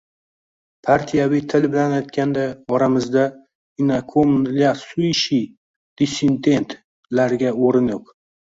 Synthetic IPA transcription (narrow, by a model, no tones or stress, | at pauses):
pʰaɾt̪ʰijavit̪ʰɪlbɪlanajt̪kʲʰand̪aɒɾamɪzd̪a | ɪnakʰomnliasʊʃi | d̪̥isend̪e̞nt̪ | laɾɡʲaoɾɪnɪp̚